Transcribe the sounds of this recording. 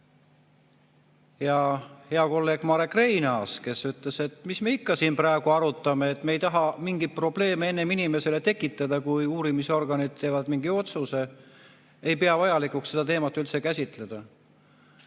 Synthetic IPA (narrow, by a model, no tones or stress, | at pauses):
jɑhe̞ɑko̞lːe̞ːɡ̥mɑɾekːre̞jnɑske̞syt̪le̞se̞t̪misme̞ikːɑsiːnprɑeɡ̥uɑɾut̪ˑːɑmeːt̪ːˑme̞jt̪ɑɦɑmiŋɡ̥ipro̞ble̞ːmee̞nːe̞minime̞se̞le̞t̪e̞kːˑit̪ːˑɑd̪ɑkujuːɾimiso̞rɡ̥ɑnid̪̥̚t̪ːe̞ːvɑd̪miŋɡio̞t̪suse̞ | ejpe̞ɑvɑjɑlikuksse̞d̪̥ɑt̪e̞ːmɑt̪ːˑylt̪se̞kæsʲit̪ˑle̞d̪̥ɑ